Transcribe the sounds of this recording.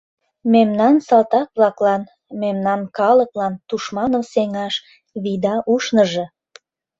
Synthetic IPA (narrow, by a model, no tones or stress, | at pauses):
memnɑnsɑlt̪ɑk̚βlɑklɑn | memnɑnkɑləklɑnt̪uʃmɑnə̆mseŋɑʃ | βid̪ɑʔuʃnəʒĕ